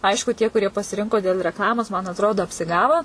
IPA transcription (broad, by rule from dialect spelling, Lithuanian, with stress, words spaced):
ˈɐɪʃkʊ tʲiɛ kʊˈrʲiɛ pɐsʲɪˈrʲɪŋkoː dʲeːlˠ rʲɛkˈlˠɑːmoːs mɐn ɐtˈroːdoː ɐpʲsʲɪˈɡɑːʋoː